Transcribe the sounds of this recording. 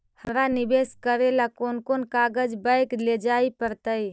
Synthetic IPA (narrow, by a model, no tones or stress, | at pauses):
həmɾanɪbeːskəɾelakoːnkoːnkaɡəd͡ʒbəɪkled͡ʒaːipəɾt̪əi